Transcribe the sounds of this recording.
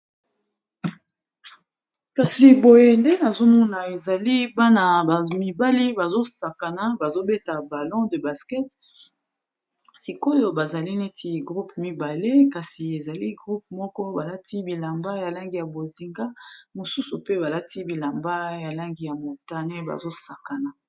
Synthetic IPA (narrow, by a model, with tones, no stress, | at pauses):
ka˨si˨bo˨je˨nde˦na˨zo˦mu˦na˨e˨za˨li˦ba˦na˨ba˨mi˨ba˦li˦ba˨zo˦sa˨ka˨na˦ba˨zo˦be˦ta˨ba˨lɔ̃˦də˨ba˨skɛ˦t | si˨ko˦jo˦ba˨za˨li˦ne˦ti˨ɡʁu˦pmi˨ba˨le˦ka˨si˨e˨za˨li˦ɡʁu˦p̚mɔ˦kɔ˦ba˨la˦ti˦bi˨la˨mba˦ja˨la˦ŋɡi˨ja˨bo˨zi˨ŋɡa˦mo˨su˦su˨pe˦ba˨la˦ti˦bi˨la˨mba˦ja˨la˦ŋɡi˨ja˨mo˨ta˦ne˦ba̰˨zo˦sa˨ka˨na˨